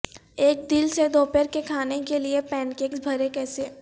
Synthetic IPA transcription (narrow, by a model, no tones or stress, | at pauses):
eːk̚d̪ɪlsed̪oːpəɾkekʰaːnekeliepɛ̃ːnkẽːksbʱɐɾekɛːse